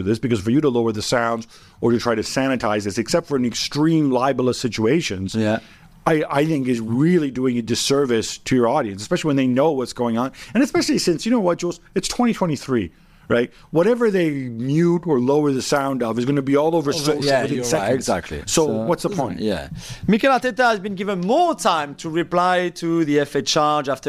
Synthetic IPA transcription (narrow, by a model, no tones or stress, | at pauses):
ɨðɪsb̥ɨkʌz̥fə˞jɨɾəloʊə˞ðɨsãʊ̃ndz | ə˞tɨtʰɹ̥aɪɾɨsæñɨtʰaɪzðɪsɨksɛp̚tfə˞ɨ̃nɨkstɹ̥ĩmlaɪbl̩ˠəsɪt͡ʃueɪʃɨ̃nz | aɪa̰ɪθɪ̃ŋkɨzɹɪlˠiduɪ̃ŋɨdɨsɜ˞vɨstʰɨjə˞ɔɾiɨ̃nsɨspɛʃl̩ˠiwɨ̃nðeɪnoʊwʌtsɡ̥oʊɪ̃ŋə̃nɨ̃ñɨspɛʃl̩ˠisɪ̃nsjɨñoʊwʌt̚d͡ʒ̥ozɨtstʰw̥ɛ̃ɾ̃itʰw̥ɛ̃ɾ̃iθɹḭ | ɹaɪt̚ | wʌɾɛvə˞ðeɪmjʉɾə˞loʊə˞ðɨsãʊ̃ndʌvɨzɡʌñɨbiɔlˠoʊvə˞ɹ̥ɪkəðɨsɛ̃ɡzæk̚tʰˡlḭsoʊwʌtsðəpʰɔ̃ɪ̃njæ̰mikɛlatɛtəɨzbɨ̃nɡɪvə̃nmɔɹtʰãɪ̃mtʰəɹɨpl̥aɪɾɨðiɛfɛt͡ʃɑɹd͡ʒæftə